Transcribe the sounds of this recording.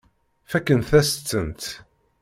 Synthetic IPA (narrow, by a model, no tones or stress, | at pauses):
fækːənt̪θæsə̥t͡sːənt̪